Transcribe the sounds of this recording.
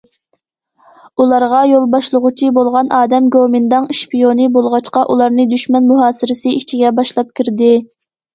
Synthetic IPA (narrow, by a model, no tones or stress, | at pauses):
ulˠɑɾʁɑjolˠbɑʃlˠəʁʊt͡ʃʰibolˠʁɑnʔɑːd̪ɛmɡomɪnd̪ɑŋʃpijonɨbolˠʁɑt͡ʃqɑʔulˠɑɾnɨd̪yʃmɛnmuɦɑːsɪɾɪsɨit͡ʃʰiɡʲɛbɑʃlˠɑp̚kʲʰiɾd̪ɪ